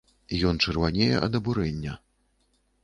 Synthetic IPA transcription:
jɔnt͡ʂɛrvanʲejɛ̰ʔɐ̰d̪ɐbuɾɛnʲːɐ

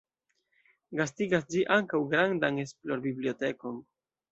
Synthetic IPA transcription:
ɡastiɡasd͡ʒiʔaŋkawɡɾandane̞splo̞ɾbiblio̞te̞ko̞n

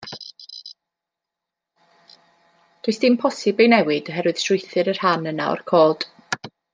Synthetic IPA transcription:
d̥oɨsd̥ɪmpʰɔsɪbejnɛwɪdɔɦɛɾwɨð̥sʊjθɨɾərhanəna̰ɔ̰rkʰoːd̥

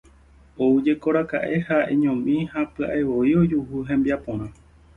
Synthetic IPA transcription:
oɨd͡ʒe̞ko̞ɾaka̰ʔe̞haẽ̞ɲõmĩhapɨa̰ʔeʋo̞io̞d͡ʒuɦuɦẽ̞mbiapõɾ̃ã

